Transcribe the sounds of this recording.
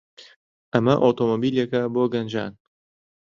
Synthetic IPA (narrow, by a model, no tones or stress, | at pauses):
ʔɐmɐʔoːt̪ʰoːmobiːljekɐboːɡɐnd͡ʒa̰ːn